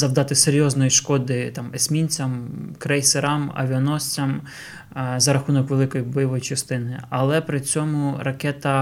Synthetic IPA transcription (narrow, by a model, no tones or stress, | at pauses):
zɐwd̪ɑt̪ɪseɾʲjɔznɔjiʃkɔd̪ɪt̪ɑmesʲmʲinʲt͡sʲɐmkɾɛjseɾɑmɐ̰ʋʲiɔnɔsʲt͡sʲɐm | zɐɾɐxunɔkʋe̞lˠɪkɔjibɔjɔʋɔjit͡ʃɐst̪ɪnɪɐlˠɛpɾɪt͡sʲɔmʊɾɐkɛt̪ɐ